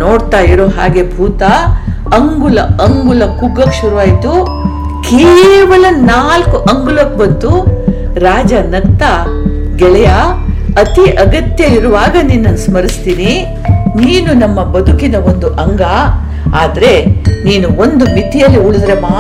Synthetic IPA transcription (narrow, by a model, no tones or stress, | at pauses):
noːɽt̪aːjiɾoːɦa̰ːɡe̞bʱuːt̪ɐː | ŋɡulɐɐŋɡulɐkuɡːɐkʃuɾuʋaːjit̪u | keːʋɐlɐnaːlkuʔɐŋɡulɐk̚bɐnt̪u | ɾaːd͡ʒɐnɐkt̪ɐ | ɡɛɭɛjɐɐt̪iʔɐɡɐt̪jɐiɾuʋaːɡɐninːɐnusmɐɾist̪iːni | niːnunɐmːɐbɐd̪ʱukinɐʋo̞nd̪uʔɐŋɡa | aːd̪ɐɾe̞niːnuo̞nd̪umit̪ijɐlːiuɭud̪ɾe̞maː